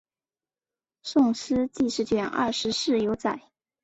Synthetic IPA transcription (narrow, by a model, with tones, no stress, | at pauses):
sʊ˥˩ŋsɹ̩˥t͡ɕi˥˧ʂɻ̩˥˩˧t͡ɕɥɛ˥˩nɐ̰˥˩ʂɻ̩˧˥ʂɻ̩˥˩jo˧˥ʊt͡sa˨˩˦ɪ